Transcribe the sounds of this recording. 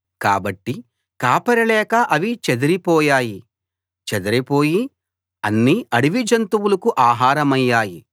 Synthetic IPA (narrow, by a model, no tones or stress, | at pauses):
kaːbɐʈːi | kaːpɐɾɐlɛːkɐʔɐʋit͡ʃed̪ɐɾipɔːjaːji | t͡ʃed̪ɐɾipoːji | ɐnːiɐɽiʋid͡ʒɐnt̪uwulɐkuʔaːɦaːɾɐmɐjːaːji